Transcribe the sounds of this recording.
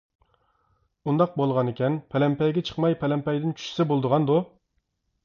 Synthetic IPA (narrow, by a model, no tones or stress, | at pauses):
und̪ɑq̚bolˠʁɑnɪkʲɛnpʰɛlɛmpɛjɡʲɛt͡ʃʰə̥qmɑjpʰɛlɛmpɛjd̪ɪnt͡ʃʰy̥ʃsɛbolˠd̪əʁɑnd̪u